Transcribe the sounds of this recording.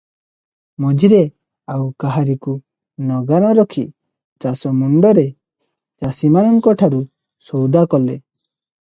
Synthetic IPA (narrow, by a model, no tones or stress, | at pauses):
mɔd͡ʒiɾe | awkaɦaɾiku | nɔɡaɾɔɾɔkʰi | t͡ʃasɔmuɳɖɔɾe | t͡ʃasimanɔŋkɔʈʰaɾu | sɔwd̪akɔlḛ